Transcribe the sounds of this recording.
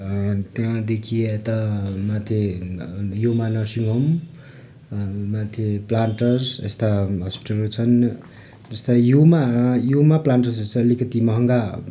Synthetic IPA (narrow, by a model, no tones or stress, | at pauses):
t̪jãd̪ekʰiet̪ʌmat̪ʰje | jumanʌsiŋɡʌm | mat̪ʰjeplaɳʈʌrsḛst̪aɦʌspi̥ʈʌlrut͡sʰʌn | d͡zʌst̪ʌjumajumaplaɳʈʌrsɾut͡sʰʌːlikʌt̪imʌɦʌŋɡa